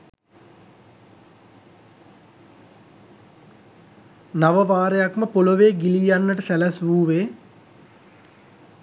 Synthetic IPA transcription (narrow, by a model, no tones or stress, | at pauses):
naʋəʋaːɾejakməpoloʋeːɡilijanːəʈəsælæsʋuːʋeː